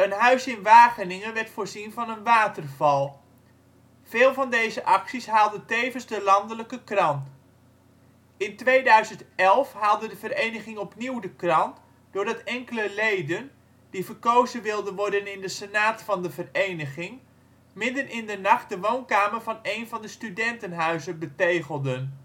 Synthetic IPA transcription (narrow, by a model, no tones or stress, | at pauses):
ənɦœɥsɪnʋaːχənɪŋənʋɛrtfoːrzinvɑnənʋaːtərvɑlˠ | v̥ɪːlˠvɑndejzəʔɑksisɦaːlˠdətejvənzdəlɑndələkəkrɑnt | ɪntʋejdœɥzəntɛlˠfɦaːlˠdədəvərejnəχɪŋɔpniwdəkrɑnt | d̥ʊːrdɑtɛŋkələlejdən | d̥ivərkowzənʋɪlˠdənʋɔɹdənɪndəsənaːtfɑndəvərejnəχɪŋ | mɪdənʔɪndənɑχt̚dəʋownkaːmərvɑnejnvɑndəstydɛntənɦœɥzəbətejχəlˠdən